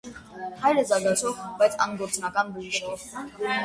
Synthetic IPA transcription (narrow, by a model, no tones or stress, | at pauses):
hɑjɾəzɑɾɡɑt͡sʰɔvbajt͡sʰɑ̰nɡɔɾt͡sʼnɑkɑnbuʒiʃɔv